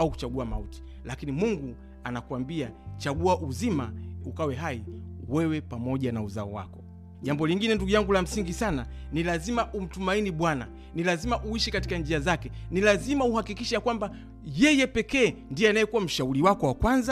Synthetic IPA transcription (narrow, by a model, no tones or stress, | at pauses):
auku̥t͡ʃaɡuama̰uti̥ | lakinimuŋɡu | anakuwambiat͡ʃaɡuaʔuzimaukawɛɦaiwɛwɛpamɔʄanauzaɔ̰wa̰kɔ | ʄambɔliŋɡinɛnduɡujaŋɡulam̩siŋɡisananilazimaʔum̩tumainiɓwana | nilazimaʔuiʃɛkatikand͡ʒiazakɛnilazimauhakikiʃɛjakwamba | jɛjɛpɛkɛːndijɔanajɛkuwam̩ʃauɾiwakɔwakwanza